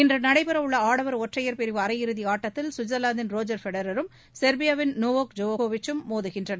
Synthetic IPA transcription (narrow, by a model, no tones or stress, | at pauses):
ɪndrɐnɐɽɐɪpɯɾɐʋɯɭːɐaːɽɐʋɐɾɔʈrɐjɐɾpɪɾɪʋɯɐɾɐjɪɾɯðiaːʈːɐt̪ːɪlsʊd͡ʒɐlaːnd̪ɪnɾoːd͡ʒɐɾfɛɽɐɾɐɾɯm | sɛɾbɪjɐʋɪnnoːʋoːkd͡ʒoːʋoːʋɪt͡ʃːɯmːoːðɯɣɪndrɐnɐ